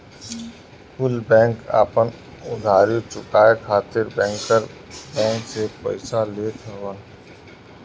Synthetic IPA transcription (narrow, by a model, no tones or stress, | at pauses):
kʊlbɛ̃ːŋka̰ːpən | ʊd̪ʱaːɾit͡ʃʊkaːekʰaːt̪ɪɾbɛ̃ːŋkəɾbɛ̃ːŋksepə̰ɪsaleːt̪ʰəʋən